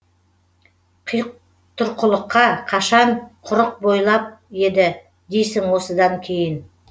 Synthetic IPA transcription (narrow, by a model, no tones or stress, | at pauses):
qʰəj | t̪ʰʊɾqʰəlˠəqːɑqʰɑʃɑɴqʰʊɾəq̚bo̞jlˠɑp̚e̞d̪ɪ | d̪e̞jsɪŋwo̞səd̪ɑŋkʲʰe̞jɪn